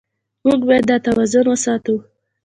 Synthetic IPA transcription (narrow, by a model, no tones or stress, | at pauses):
muɡbɑjad̪ːɑt̪awɑzʊnwəsɑt̪u